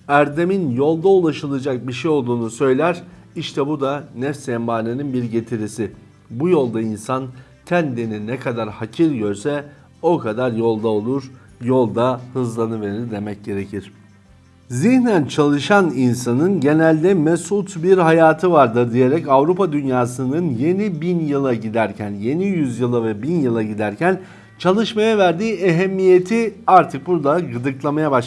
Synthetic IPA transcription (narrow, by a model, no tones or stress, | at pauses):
æɾd̪e̞minjo̞lˠd̪aulˠaʃɯlˠɯd͡ʒak̚biʃejo̞lˠd̪uːnusø̞jlʲæɾ | iʃt̪ʰɛbud̪anɛfsɛmbaːnɯninbiɾɟe̞t̪ʰiɾisi | bujo̞lˠd̪ainsan | t̪ʰænd̪eninɛkʰad̪aɾhacʰiɾɟøɾsɛ | o̞kʰad̪aɾjo̞lˠd̪ao̞lˠuɾ̥ | jo̞lˠd̪ahɯzlˠanɯve̞ɾiɾd̪e̞mɛc̚ɟe̞ɾe̞cʰiɾ̝̥ | ziçnænt͡ʃʰalˠɯʃaninsanɯnɟe̞nælʲd̪ɛmɛsut̪biɾɦajaːt̪ʰɯvaɾd̪ɯd̪ije̞ɾɛcavɾupad̪ynjaːsɯnɯnje̞nibinjɯlˠaɟid̪æɾcʰænje̞nijyzjɯlˠavɛbinjɯlˠaɟid̪æɾcʰæn | t͡ʃʰalˠɯʃmajavæɾd̪iːeɦɛmːije̞t̪ʰiaɾt̪ʰɯk̚buɾd̪aɡɯd̪ɯklˠamajabaʃ